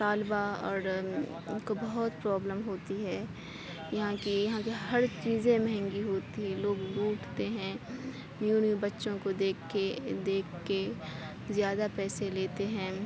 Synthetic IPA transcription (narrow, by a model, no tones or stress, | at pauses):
taːlbaɔːɾ | kobɐɦʊt̪pɾɔːbləmɦoːt̪iɦɛː | jɐɦãkijɐɦãkeɦɐɾt͡ʃiːzẽmɛɦɛ̃ŋɡiɦoːt̪iɦɛ̃loːɡluːʈʰt̪eɦɛ̃ | mjuːnubɐtːʃõkod̪eːkʰːed̪eːkʰːe | zjaːd̪apɛːseleːt̪eɦɛ̃ː